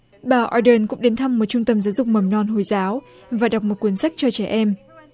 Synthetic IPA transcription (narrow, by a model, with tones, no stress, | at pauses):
ɓaː˨˩ʔɔ˧ɗəː˧nkʊ̰˧˥ŋ͡mɗe˨˦nt̪ʰa˧mːo˨˩t̚t͡ɕʊ˧ŋ͡mt̪ə˧mzaː˨˦wzʊ˨˩k͡p̚mə˨˧˩mnɔ˧˩nɦo˨˩jzaː˨˦w | vaː˨˩ɗa˨˩wk͡p̚mo˨˩t̚kwi˨˦ənsa˦˥jk̚t͡ɕɔ˧t͡ɕɛ˧˩ʔɛ˧m